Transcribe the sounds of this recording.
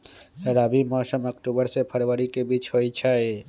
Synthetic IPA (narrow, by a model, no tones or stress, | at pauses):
ɾabimɔːsəməkʈubəɾsepʰəɾʋəɾikebiːt͡ʃɦojt͡ʃʰae